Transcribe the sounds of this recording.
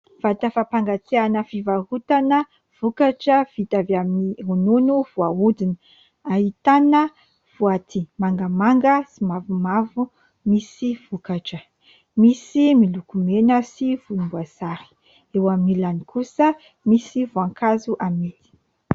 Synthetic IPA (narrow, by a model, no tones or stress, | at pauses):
v̥at̪əfapaŋɡat̪eanəfivaɦut̪anə | v̥ukaʈ͡ʂəv̥it̪aviamiɦununuvuaud̪inə | aɦit̪anə | v̥uat̪ʰimaŋɡəmaŋɡəsimavumavu | misiv̥ukaʈ͡ʂə | misimilukumenəsiv̥umbuasaɾi̥ | ewamilanikusə | misivuaŋkʰazuʔamet̪i̥